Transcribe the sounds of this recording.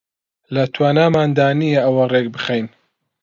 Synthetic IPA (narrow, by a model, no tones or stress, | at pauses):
lɐt̪ʰwaːnaːmaːnd̪aːnijɐʔɐwɐreːk̚bɨχejn